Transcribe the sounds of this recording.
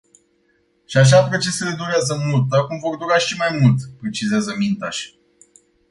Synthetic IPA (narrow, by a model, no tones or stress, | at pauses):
ʃiaʃ̬apɾo̞t͡ʃe̞se̞le̞d̪uɾeazəmult̪əkumvo̞rd̪uɾaʃimajmult̪pɾet͡ʃizeazəmint̪aʃʲ